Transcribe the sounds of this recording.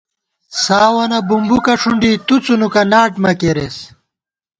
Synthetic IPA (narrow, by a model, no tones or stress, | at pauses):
saːwɐnɐbumbukɐʂuɳɖit̪ut͡sunukɐnaːʈmɐkeɾes